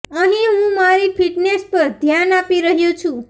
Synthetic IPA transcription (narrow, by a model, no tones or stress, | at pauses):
əɦĩɦũmaɾipʰiʈnespəɾd̪ʱjanapiɾəɦjũt͡ʃʰũ